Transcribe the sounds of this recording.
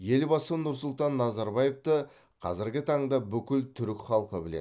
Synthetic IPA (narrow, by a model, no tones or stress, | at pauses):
je̞lbɑsnʊɾs̬ʊlˠt̪ɑnːɑzɑɾbɑje̞ft̪ə | qʰɑzɪɾɡʲɪt̪ʰɑɴd̪ɑbʏkʲɪlt̪ʰʏɾɪkʲχɑlˠqəbɪlḛ